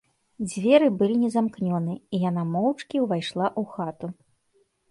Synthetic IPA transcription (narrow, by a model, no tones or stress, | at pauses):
d͡zʲvʲɛɾɨbɨlʲinʲɛzamknʲɔnɨijanamɔwt͡ʂkʲiwvajʂlˠaʔuxat̪u